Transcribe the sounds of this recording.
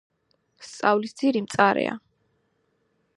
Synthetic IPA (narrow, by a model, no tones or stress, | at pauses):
st̪sʼavlisd̪z̥iɾimt̪sʼaɾɛ̰a̰